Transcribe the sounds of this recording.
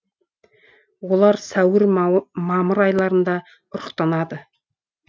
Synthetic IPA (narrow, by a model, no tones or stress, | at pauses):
wo̞lˠɑɾsæwɪɾmɑməɾɑjlˠɑɾənd̪ɑ | ʊɾəqt̪ɑnɑd̪ə